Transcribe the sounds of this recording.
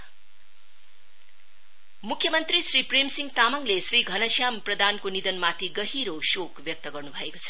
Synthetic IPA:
mukʰjʌmʌnt̪risripremsiŋt̪amʌŋlesriɡʱʌnʌsjamprʌd̪ankonid̪ʌnmat̪ʰiɡʌɦiɾosokbjʌk̚t̪ʌɡʌrnubʱʌeko̥t͡sʰʌ̥

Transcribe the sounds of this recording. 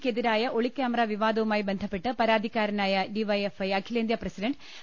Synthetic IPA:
ked̪iɾaːjɐʔoɭikːaːmɐɾaːʋiʋaːd̪ɐʋumaːjibend̪ʱɐpːeʈːɨpɐɾaːd̪ʱikaːɾɐnaːjɐɖiʋɐjefɐjɐkʰileːnd̪jɐprɐsiɖɐɳɖ

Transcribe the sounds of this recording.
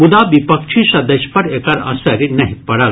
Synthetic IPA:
bʊd̪abipəkʃʰisɐd̪ɐʃpɐɾekɐɾɐ̰̃sɐɾinɐɦĩpɐɽɐl

